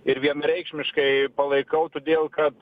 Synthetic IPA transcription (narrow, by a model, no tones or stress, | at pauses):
ɪɾʋʲiɛnɐɾʲɛɪkʃʲmʲɪʃkɐɪpɐlˠɐɪkɐʊt̪oːd̪ʲeːlˠkɐt̪